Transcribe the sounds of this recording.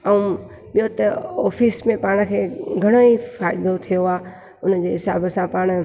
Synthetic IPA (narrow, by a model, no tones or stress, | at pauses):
ɐũ | ɓɪjot̪ɐɔːfiːsmẽpaːɽ̃ə̆kʰeːɡʱɐɽ̃oifaːɪd̪ot̪ʰijoaː | ʊnəd͡ʑeːɦɪsa̰ːbəsãpaːɽ̃